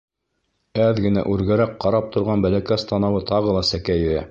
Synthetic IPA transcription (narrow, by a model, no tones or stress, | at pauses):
æðɡɘ̆næ̰ʔʉɾɡæɾæqqːɑɾɑp̚t̪ŏɾʁɑnbælækæst̪ɑnɑwɤt̪ɑʁɤ̆lˠɑsækæjɘ̆ɾæ̰